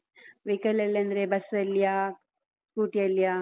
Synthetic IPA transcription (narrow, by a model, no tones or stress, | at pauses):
ʋikɐlɐlːɐnd̪ɐɾebɐsɐlːijaː | skuːʈijɐlːijaː